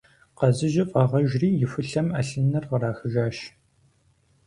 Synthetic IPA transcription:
qɐzɨʒɪfʼɑːʁɐʒriːjɪfɨɬɐmɐɬɨnɐrʁəɾaːxɨʒaːʃ

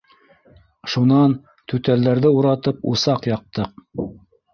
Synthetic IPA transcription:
ʃunɑn | t̪ʉt̪æld̪æɾðɘuɾɑt̪ɤpṵsɑqjɑq̚t̪ɤq̚

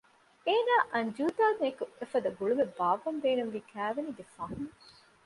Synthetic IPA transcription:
eːnaːʔɐɲd͡ʒuːt̪aːnekuʔefɐd̪ɐɡuɭumebaːʋɐnd̪eːnunʋiːkʰæːʋeniɡefaːɦun

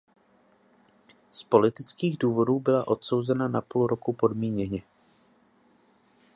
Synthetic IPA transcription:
spo̞lɪt̪ɪt͡skiːɣduːvo̞duːbɪlaʔo̞t̪so̞wzɛnanapoluɾo̞kupo̞dmiːɲɛɲɛ

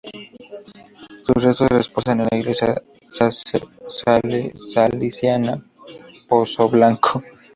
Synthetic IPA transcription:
susrest̪osresposanenlaiɣlesja̰ | sasesalsalisjana | posoβlaŋkʰo

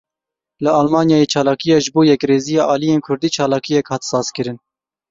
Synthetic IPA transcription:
ləɑːlmɑːnjɑːjeːt͡ʃʰɑːlɑːkijɑːʒɨboːjɛkreːzijɑːʔɑːlijeːnkʰʊɾd̪iːt͡ʃʰɑːlɑːkijɛkhɑːt̪sɑːzkɨɾɨn

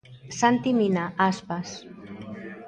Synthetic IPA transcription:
sant̪iminaʔaspas

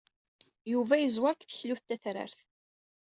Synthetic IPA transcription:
juvæjəzwaɾkθə̥çluθt̪ːæθɾə̰ɾθ

